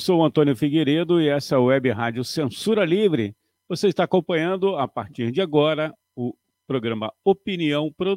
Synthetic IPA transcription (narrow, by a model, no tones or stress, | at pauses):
sowɐ̃nt̪õnjʊfiɡeɾed̪ʊɪɛsɐwɛbɪɦad͡ʒjʊsẽsuɾɐlivɾɪ | voseɪst̪aːkõmpɐ̃ɲɐ̃nd̪ʊapaɾt͡ʃiɾd͡ʒɪaɡɔɾɐ | ʊ | pɾoɡɾɐ̃mɐopiniɐ̃w̃pɾo